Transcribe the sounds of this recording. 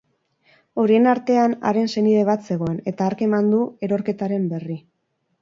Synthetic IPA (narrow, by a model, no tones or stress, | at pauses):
o̞ɾie̞naɾt̪e̞ana̰ɾe̞nse̞niðe̞β̞at̪se̞ɣ̞o̞e̞ne̞t̪aːɾke̞mand̪ue̞ɾo̞ɾke̞t̪aɾe̞mbe̞ri